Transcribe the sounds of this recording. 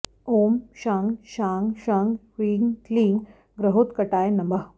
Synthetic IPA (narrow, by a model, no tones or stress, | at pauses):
oːmʃaŋɡʃaŋɡʃaŋɡ | ʋiːŋɡkliŋɡ | ɡɾəɦot̪kəʈaːjnɐmbəɦ